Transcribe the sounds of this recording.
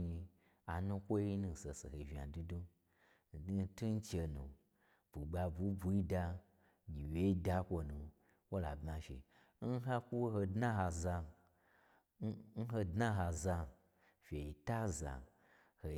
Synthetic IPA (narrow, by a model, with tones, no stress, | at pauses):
ɲi˧ | a˨nũ˦kʷo˦i˦nũ˧˨se˨sḛ˨he˨vi˨a̰˨du˦du˦˨˦ | n˦tu˦n̩˦t͡ʃe˧nṵ̃˨ | b̥u˨ɡ͡ba˧bu˨˦bu˨i˦da˧ | ɲi˨we˨˦i˦da˧kʷo˧nũ˨ | wo˦la̰˨bmã˨ʃḛ˨ | n̩˦ɦa˦kʷu˦wo˦ɦo˧dnã˦ɦa˧za˧˦ | n̩˦ɦo˧dnã˦ɦa˧za˧˨ | fʲe˨i˨ta˦za̰˨ | ho˨